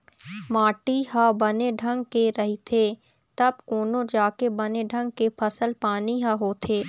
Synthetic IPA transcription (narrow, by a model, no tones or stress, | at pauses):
maːʈiɦãbɐneɖʱɐ̃ŋɡkeɾɐɦit̪ʰeː | t̪ɐb̚koːnõd͡ʒaːkebɐneɖʱɐ̃ŋɡ̚kepʰɐsəlpaːniɦãɦoːt̪ʰeː